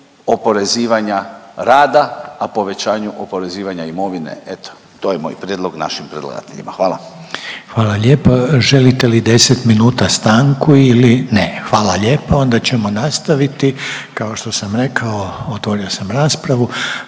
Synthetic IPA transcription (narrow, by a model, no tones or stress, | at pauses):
opo̞ɾe̞ziːʋaɲaɾaːd̪aːpo̞ʋe̞t͡ɕaːɲuʔopoɾe̞ziːʋaɲaimo̞ʋinḛet̪o̥ | t̪ojemo̰ːjpɾjed̪lˠoɡna̰ʃimpɾed̪lˠa̰ɡa̰t̪eʎḭmaxʋaːla̰xʋaːlaʎe̞ːpoʒe̞lit̪elid̪e̞set̪minuːt̪ast̪aːŋkuilinexʋaːlaʎe̞ːpao̞nd̪at͡ɕe̞mo̞nast̪aʋit̪ikao̞ʃt̪o̞samɾe̞kʰaoot̪ʋo̞ɾiosamɾaːspɾaʋu